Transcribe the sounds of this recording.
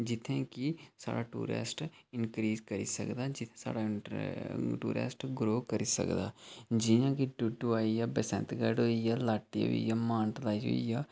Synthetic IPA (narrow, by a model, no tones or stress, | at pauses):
d͡ʒɪt̪ʰẽːkisa̰ːɽaːʈṵːɾɛ̰ːsʈɪnkɾiːzkəɾḭːsə̰kd̪aːd͡ʒɪt̪ʰẽsa̰ːɽaː | ʈṵːɾɛ̰ːsʈɡɾoːkəɾiːsə̰kd̪a̰ːd͡ʒɪjãːkiʈʊʈːuaːijaːbəsɛ̰̃nt̪ɡəɖoːijaːlaːʈːiɦo̰ḭjaːmaːɳʈlaːiɦo̰ijaː